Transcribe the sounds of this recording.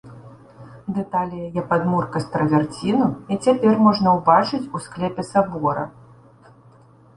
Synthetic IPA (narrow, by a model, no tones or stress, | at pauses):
d̪ɛt̪alʲijɐjɛpad̪murkɐst̪ɾɐvʲart͡sʲinuit͡sʲapʲɛrmɔʐnɐwbat͡ʂɨt͡sʲusklʲɛpʲɛsabɔɾɐ̰